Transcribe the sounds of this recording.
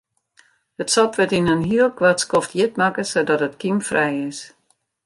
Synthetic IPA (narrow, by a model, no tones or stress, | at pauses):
ətsɔpʋɪtinənɦiəlˠkʋatskɔftjɪt̚makəsodɔtətkimfrɛjɪs